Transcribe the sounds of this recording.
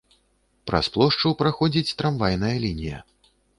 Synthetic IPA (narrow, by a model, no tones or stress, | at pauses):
pɾɐ̰splˠɔʂt͡ʂɨpɾaxɔd͡zʲit͡sʲt̪ɾamvajnɐjɐlʲinʲijɐ̰